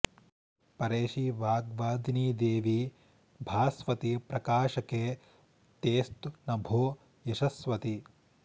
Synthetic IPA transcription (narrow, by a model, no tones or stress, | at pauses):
pɐɾeːʃiʋaːɡʋaːd̪niːd̪eːʋi | bʱaːsʋɐt̪ipɾɐkaːʃɐkeː | t̪eːst̪unɐbʱoː | jɐʃɐsʋɐt̪i